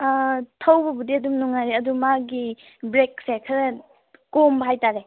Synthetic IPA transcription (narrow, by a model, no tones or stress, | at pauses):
tʰɐwbɐbudiɐdumnuŋaɾeɐdumaɡi | bɾeksekʰɐɾɐ | kombɐɦajtaɾe